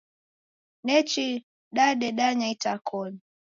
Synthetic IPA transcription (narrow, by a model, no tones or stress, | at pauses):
nɛt͡ʃi | ɗaɗɛɗaɲaitakʰɔni